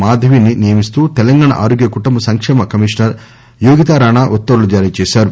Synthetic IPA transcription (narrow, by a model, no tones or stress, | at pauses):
maːd̪ʱɐʋininijɐmist̪uːt̪ɛlɐŋɡaːɳa̰ʔa̰ːɾoːɡjɐkuʈumbɐsɐŋkʂɛːmɐkɐmiʂnɐɾ | juːɡit̪aːɾaːɳaːʔut̪ːɐɾulud͡ʒaːɾiːt͡ʃɛːsaːɾu